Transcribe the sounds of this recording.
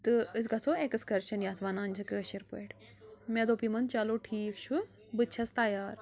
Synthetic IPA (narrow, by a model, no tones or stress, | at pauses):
t̪ɨɨs̬ɡasoekɨskɐɾt͡ʃʰɐnjaːt̪ʰʋanaːnʲd͡ʒɨkɨɐʃiɾpəʈ | med̪oːpimɐnt͡ʃaloʈʰiːkt͡ʃʰu | bɨt͡ʃʰɐst̪ajaːɾ